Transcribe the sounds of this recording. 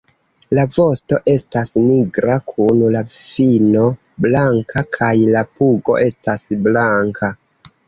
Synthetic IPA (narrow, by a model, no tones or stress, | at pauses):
lavo̞sto̞ʔe̞stasniɡɾakʰunlafino̞ | blaŋkʰakʰajlapuɡo̞̰ʔe̞stasblaŋkʰa